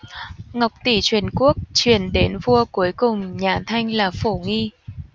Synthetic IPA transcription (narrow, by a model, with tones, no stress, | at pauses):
ŋa˨˩wk͡p̚t̪i˧˩t͡ɕwi˨˩ənku˦˥ək̚t͡ɕwi˧˩ənɗe˨˦nvu˧əku˨˦əjkʊ˨˩ŋ͡mɲaː˨˩t̪ʰa˧jŋ̟laː˨˩fo˧˩ŋi˧